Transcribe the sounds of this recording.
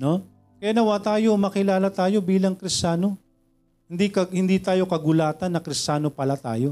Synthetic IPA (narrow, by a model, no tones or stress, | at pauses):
no̞ | kɐjanɐwat̪aːjo̞mɐkɪlaːlɐt̪aːjo̞biːlɐŋkɾɪst͡ʃaːno̞ | hɪnd̪ikɐhɪnd̪iːt̪aːjo̞kɐɡʊlaːt̪ɐnːɐkɾɪst͡ʃaːno̞pɐlat̪a̰ːjo̞